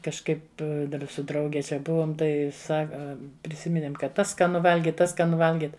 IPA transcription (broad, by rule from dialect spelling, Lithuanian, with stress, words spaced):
kɐʃˈkɐɪp ˈdɐr sʊ ˈdrɐʊɡʲɛ ˈt͡ʃʲɛ ˈbʊʋoːm ˈtɐɪ ˈsɑːkɐ pʲrʲɪˈsʲɪmʲɪnʲeːm ˈkɐt ˈtɐs skɐˈnʊ ˈʋɐlʲɡʲɪt ˈtɐs skɐˈnʊ ˈʋɐlʲɡʲɪt